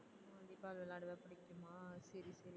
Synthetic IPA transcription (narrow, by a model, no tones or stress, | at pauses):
ɐd̪ikːaːlʋɛlaːɽɐʋepɐɽɪkːɯmaːsɐɾisɐɾi